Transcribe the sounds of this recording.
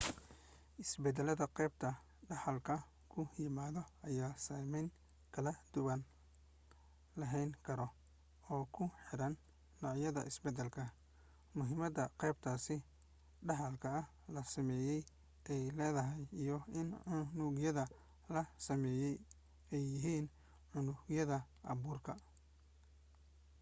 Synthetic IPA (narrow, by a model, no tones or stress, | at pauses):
ɪsbɛd̪ɛlɐðɐqɛjb̚t̪ʰɐ | ɖɑħɐlkʰɐ | kʰʊjɪmaːðɔɐjaːsaːmɛŋ | kʰɐlɐd̪̥ʊwɐn | lɐɦɛjŋkʰɐɾɔ | ɔːkʰʊħɪɾɐnː | ɔːʕjɐðɐ̰ʔɪsbɛd̪ɐlkʰɐ | mʊɦɪmɐd̪ɐqɛjb̚t̪ʰaːsɪ | ɖɐɦɐlkʰɐɐ | lɐsɐmɛːjɛj | ʔɛjlɛːðɐɦɐjijɔɪnʕʊnʊɡjɐðɐ | lɐsɐmɛːjɛj | ɛjːɪɦiːn | ʕʊnʊɡjɐðɐ | ʔɐ̰βuːrkʰɐ